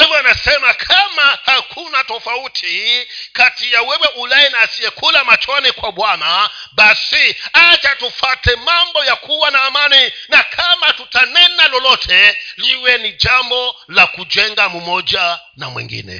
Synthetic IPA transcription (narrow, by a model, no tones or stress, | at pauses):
ivɔanasɛmakʰamahakʰunatɔfautʰikatijawɛwɛʔulaɛnaːsiɛkʰulamat͡ʃɔnikwaɓwanaɓasiad͡ʒatufatɛmambɔjakʰuwanaːmaninakʰamatutanɛnalɔlɔtʰɛliwɛnid͡ʒambɔlakud͡ʒɛŋɡamumɔd͡ʒa | namwḭŋɡḭnɛ̰